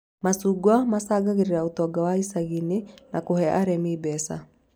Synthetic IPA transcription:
masuɡwamasaɡaɣeɾeɾaut̪ɔɡawaisaɣinenakoɦɛʔaɾɛmibɛsa̰

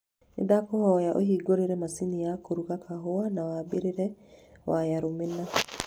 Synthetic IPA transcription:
nḛdapɔhɔjaʔo̰ɦiːɡoɾeɾɛmasinijakoɾukakʰaɦoanawabeɾeɾɛwʔajaɾomena

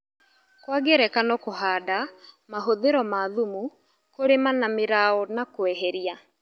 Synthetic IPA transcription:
kwaɡeɾɛkanɔkoɦaːda | maɦoðeɾɔmaðumu | koɾemanameɾaɔnakoɛɦɛɾia

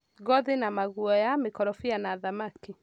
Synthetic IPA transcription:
ɣɔðenamaɣuɔjamekɔɾɔfianaðamaki

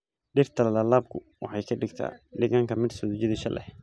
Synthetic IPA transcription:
ɖɪrt̪ʰɐlɐlɐlaːb̚kʰʊ | wɑħɑjkʰɐɖɪɡt̪ʰa̰ːɖɪɣaːŋkʰɐmɪd̪sɔːðt͡ʃɪðɪʃɐlʔɛ̰h

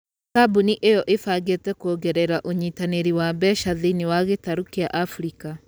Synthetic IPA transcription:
sabuniʔejɔʔefaɡetɛkoɡɛɾɛɾaʔoɲiːtaneɾiwabɛʃaðiniwaɣetaɾukeaʔafɾika

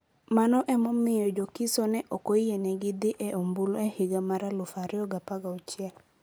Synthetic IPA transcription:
manɔʔɛmɔmɪjɔd͡ʒokɪsɔnɛʔɔkɔijenɛɡɪd̪ɪʔɛʔombuloɛhɪɡamaɾalʊfaɾɪɔɡapaɡaut͡ʃɪɛl

